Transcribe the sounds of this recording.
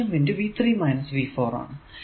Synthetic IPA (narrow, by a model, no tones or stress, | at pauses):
ɐnʋɪɳɖuʋiːt̪ʰɾiːmaɪnɐsʋiːfɔːɾɔ̰ːn